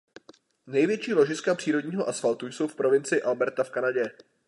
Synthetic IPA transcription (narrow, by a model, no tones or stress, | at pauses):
nɛjvjɛt͡ʃiːlo̞ʒɪskapr̥iːɾo̞ɟɲiːɦo̞ʔasfalt̪ujso̞wfpɾo̞vɪnt͡sɪɪʔalbɛɾt̪afkanaɟɛ